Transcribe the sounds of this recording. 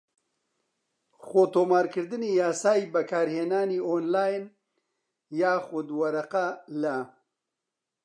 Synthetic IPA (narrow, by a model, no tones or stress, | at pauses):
xot̪oːmaːɾkɨɾd̪ɨnijaːsaːibɐkaːɾheːnaːnioːnlaːjn | jaːxʊd̪wɐɾɐqalɐ